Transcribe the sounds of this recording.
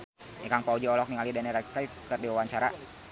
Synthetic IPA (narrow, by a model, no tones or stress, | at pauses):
ʔɛkaŋpaud͡ʒiɔlɔk̚niŋalidanɛɾakajfkərdiwawaɲt͡ʃaɾa